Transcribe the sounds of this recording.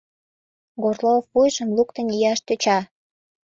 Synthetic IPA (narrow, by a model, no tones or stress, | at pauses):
ɡorlofːujʒəmlukt̪ənijɑʃt̪øt͡ɕɑ